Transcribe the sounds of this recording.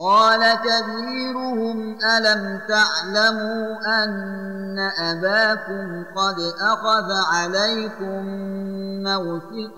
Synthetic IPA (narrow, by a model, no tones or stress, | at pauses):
qɑːlakaθiːɾʊhʊmʔalamt̪aʕlamuːʔanː | aʔabaːkʊmqɑd̪ʔaxaðʕalajkʊmː | awsɪ